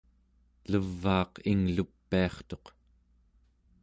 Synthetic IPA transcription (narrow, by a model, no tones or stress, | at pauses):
ləvːɑːqiŋlupːiɑχt̪o̞q